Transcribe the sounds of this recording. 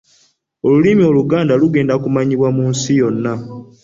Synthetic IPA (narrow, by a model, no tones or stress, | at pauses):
olulimio̞luɡaːndaluɡe̞ːndakumaɲiβwamuːnsijo̞nːa